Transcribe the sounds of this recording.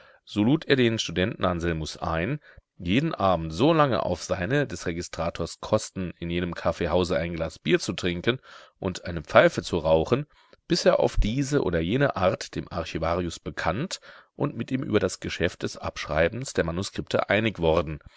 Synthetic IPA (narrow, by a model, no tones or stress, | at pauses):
z̥oːluːtʰeːɐdeːnʃtudɛntn̩anzɛlmʊsʔa̰ɪn | jeːdn̩ʔaːbm̩tz̥oːlaŋə̰ʔa̰ʊfz̥aɪnədɛsʁeɡɪstʁ̥aːtʰoːɐskʰɔstn̩ɪnjeːnəmkʰafeːɦhaʊzəʔaɪnɡlaːsb̥iːɐt͡sutʁ̥ɪŋkənʔʊntʔaɪnəp͡faɪfət͡suʁaʊχən̩ | b̥ɪseːɐʔa̰ʊfd̥iːzəʔo̰ːdɐjeːnəʔaɐtd̥eːmʔa̰ɐçivaːʁiʊsb̥əkʰantʔʊntmɪtʔiːmʔy̰ːbɐdasɡ̥əʃɛft̚d̥ɛsʔa̰pʃʁ̥a̰ɪbn̩sd̥eːɐmanuskʁ̥ɪp̚tʰə̰ʔaɪnɪçv̥ɔʁdn̩